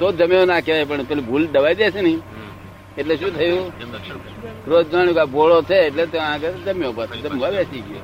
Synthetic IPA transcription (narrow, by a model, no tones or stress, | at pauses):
t̪od͡ʒəmjõnãkeʋap̬əɳpelibʱulɖəʋaːid̪esenĩ | eʈleʃũːt̪ʰəjũ | ɾod͡ʒaɽjũkabolot͡ʃ̪ʰeːʈlet̪oãked͡ʒəmjõːpasd͡ʒəmʋabesiɡjo̰ː